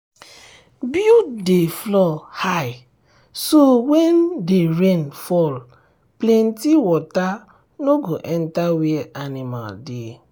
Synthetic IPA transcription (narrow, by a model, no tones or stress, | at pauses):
bjudeflɔhaj | sowɛndeɹẽnfɔl | plɛ̃ntiwɔta | noɡoʔɛ̃ntawiɛanima̰lde